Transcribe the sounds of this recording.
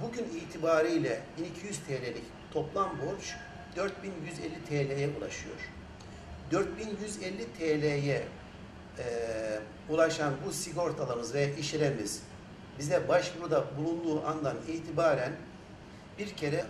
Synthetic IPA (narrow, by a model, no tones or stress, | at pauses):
buɟyniːt̪ʰibaːɾɯjlʲɛbinicʰijyz̥t̪ʰeːlʲelʲic | t̪ʰo̞plˠambo̞ɾt͡ʃ | d̪øɾt̪̚binjyzɛlʲːit̪ʰeːlʲejɛulˠa̰ʃɯjo̞̰ɾ̥ | d̪øɾt̪̚binjyzɛlʲːit̪ʰelʲejɛ | ulˠaʃanbusiɡo̞ɾt̪ʰalˠaɾmɯzvejaʔiʃiɾemiz̥ | bizd̪ɛbaʃbuɾd̪abulˠund̪uːʔand̪ˠaniːt̪ʰibaːɾæn | biɾcʰe̞ɾɛ